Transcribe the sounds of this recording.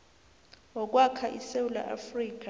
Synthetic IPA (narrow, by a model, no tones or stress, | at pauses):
wɔk̬ʼwakʰaʔisewula̰ʔa̰friːk̬ʼa